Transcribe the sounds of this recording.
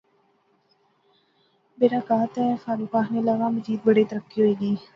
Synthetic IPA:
beːɾaːkaːt̪ɛːfaːɾuːkaːɦneːlaɡãːməziːd̪̚bəɽiːt̪əɾəkːiɦoiːɡiː

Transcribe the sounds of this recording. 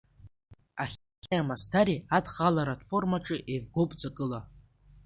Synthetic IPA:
aχʲ | kʲaamastʰaɾiadχalaɾatʰfo̞rmaʈ͡ʂʼɨʔevɡʷowpʼd͡zakʼɨla

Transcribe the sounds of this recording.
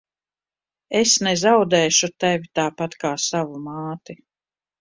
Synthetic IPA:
esnɛzawd̪ɛːʃut̪ɛvʲit̪aːpat̪kaːsavumaːt̪i

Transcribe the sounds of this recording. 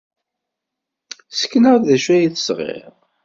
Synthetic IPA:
sə̥kːnəʁðæʃæjiθə̥sʁɪ̰ɾˤ

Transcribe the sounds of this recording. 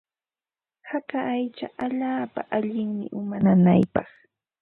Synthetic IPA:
hakaʔːjt͡ʃa̰ʔaʎaːpaʔaʎɪŋmɪ̰ʔʊmanana̰jpɑχ

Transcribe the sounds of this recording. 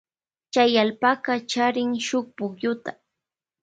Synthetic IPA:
t͡ʃajalpaɢɑt͡ʃaɾɪŋʃoχ̚pʊkjʊt̪ḁ

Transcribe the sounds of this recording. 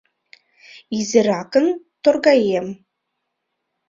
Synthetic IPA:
izɨraːkən | tʰorɡajem

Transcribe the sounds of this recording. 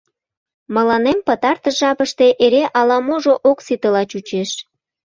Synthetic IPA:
məlɑnempət̪ɑrt̪əʒɑpəʃt̪e̽ʔeɾeʔɑlɑmoʒoʔoksit̪əlɑt͡ɕut͡ɕeʃ

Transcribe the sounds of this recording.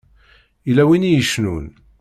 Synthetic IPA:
ilæwinijəʃnun

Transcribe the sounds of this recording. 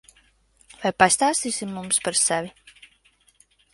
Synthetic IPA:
vajpast̪aːst̪iːsʲimːumspaɾsɛvʲi

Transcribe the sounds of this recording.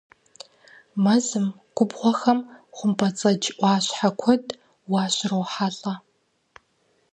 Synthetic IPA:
mɐzɨm | ɡ̥ʷʼʊbʁʷɔxɐmχʷʊmpʰʼɐt͡sʼɐd͡ʒʔʷɑːɕħakʷʰɔd | wɑːɕʼrowħaɬʼɐ

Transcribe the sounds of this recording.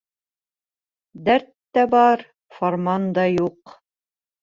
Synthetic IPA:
d̪æɾt̪ːæbɑɾ | foɾmɑnd̪ɑjuq

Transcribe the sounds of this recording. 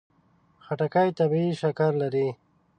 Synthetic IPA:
xaʈakajt̪abiiʃakaɾlaɾi

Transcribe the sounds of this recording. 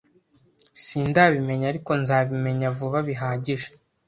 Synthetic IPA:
siːndaːβime̞ɲaɾiko̞nzaːβime̞ɲavuβaβiɦaːɟiʒe̥

